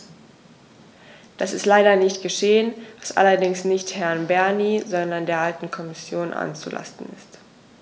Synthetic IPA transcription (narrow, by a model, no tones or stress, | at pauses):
d̥asɪstlaɪdɐnɪçtɡ̥əʃeːənvasʔa̰lɐdɪŋsnɪçthɛɐnbɛɐniːzɔndɐndeːɐʔaltn̩kʰɔmɪsjoːnʔa̰nt͡sṵla̰stn̩ɪ̰st